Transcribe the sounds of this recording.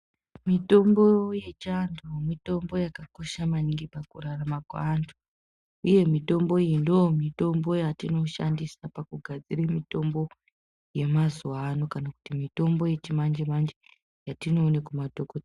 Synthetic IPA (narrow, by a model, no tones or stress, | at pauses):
mito̞mbo̞je̞t͡ʃandomito̞mbo̞jakako̞ʃamaniŋɡipakuɾaramakwandʰu | uje̞mito̞mbo̞ijindoomito̞mbo̞jatino̞ʃa̰ndisapakuɡʱad͡zirimito̞mbo̞ | je̞mazuwano̞kanaku̥timito̞mbo̞je̞t͡ʃimand͡ʒemand͡ʒe | jatino̞ːnekumadʱokot